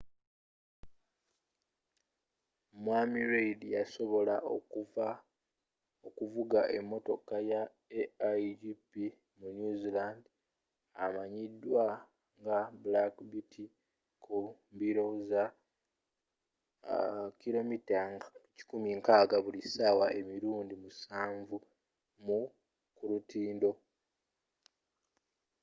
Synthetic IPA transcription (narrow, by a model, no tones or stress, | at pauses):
mwaːmiɾeidijaso̞βo̞la | okuvuɡaʔe̞mːo̞to̞kaja | eaiipi | munjuziland | amaɲidːwa | ŋɡabulakbitʰi | kumbiɾo̞za | kilo̞mitaci̥kumiŋkaːɡaβulisaːwae̞miɾuːndimusaːɱvu | mu | kulutiːndo̞